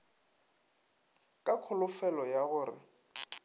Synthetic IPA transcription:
kʼakʰʊlʊfɛlɔjaɣʊːrɪ̰

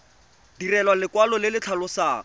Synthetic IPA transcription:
dirɛlwalɪkwalɔlɪlɪt͡ɬʰalʊsaː

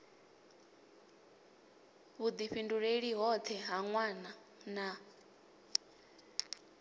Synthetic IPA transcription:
βud̪iɸinduɺeɺiɦɔt̪ʰɛɦaŋwana | na

